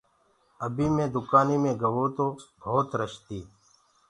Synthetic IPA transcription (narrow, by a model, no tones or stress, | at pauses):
əbiːmẽːd̪ʊkaːniːmẽːɡəʋoːt̪oːbʱoːt̪ɾəʃt̪iː